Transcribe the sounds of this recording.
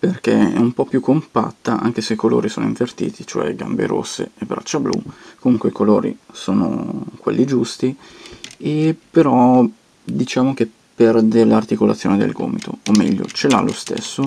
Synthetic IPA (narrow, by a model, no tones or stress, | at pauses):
perkeɛ̰umpɔpjukːompa̰t̪ːaʔa̰ŋk̟eseikolo̰ːɾisoːnoiɱvert̪ḭːt̪ʰit͡ʃoɛ̰ɡa̰mbḛɾo̰sːḛebɾat͡ʃːablṵkomuŋkweikoloːɾḭsoːno̰kwḛlːid͡ʒust̪i | epeɾɔ | d̪it͡ʃaːmok̟e | pɛrd̪eɾelart̪ikolat̪sːjoːned̪ḛlɡo̰ːmit̪ʰoːmːɛ̰ʎːo̰t͡ʃelalost̪ḛsːo